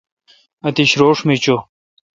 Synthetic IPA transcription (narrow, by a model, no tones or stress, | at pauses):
ɐt̪iɕɾoːʂmit͡ɕo